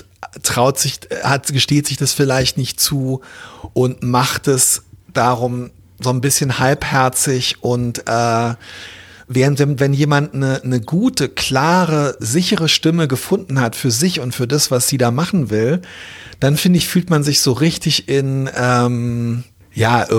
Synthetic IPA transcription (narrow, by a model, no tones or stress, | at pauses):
tʁ̥aʊtz̥ɪçhatɡəʃteːtz̥ɪçd̥asfɪlaɪçtnɪçtt͡suːʔʊntmaχtɛsd̥aːʁʊm | zoːnbɪsçənhalphɛɐt͡sɪçʔʊntʔɛː | vɛːʁəntd̥eːmvɛnjeːmantnənəɡuːtəkʰl̥aːʁəzɪçəʁ̞əʃtɪməɡəfʊndn̩hatfyːɐzɪçʊntfyːɐdasv̥asz̥iːdaːmaχn̩vɪld̥anfɪndəɪçfyːltmanzɪçz̥oːʁɪçtɪçɪnʔɛːm | jaːʔɪ